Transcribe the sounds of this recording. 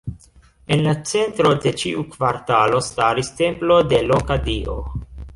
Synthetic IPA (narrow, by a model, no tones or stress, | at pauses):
e̞nlat͡se̞ntɾo̞de̞t͡ʃiʔukvaɾtalo̞staɾiste̞mplo̞de̞lokadiʔo̞̰